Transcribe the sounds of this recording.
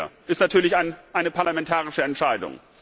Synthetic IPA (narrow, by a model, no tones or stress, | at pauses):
ʔɪstnatʰyːɐlɪçaɪnʔaɪnəpʰaɐlamɛntʰaːʁɪʃəɛntʃaɪdʊ̰ŋ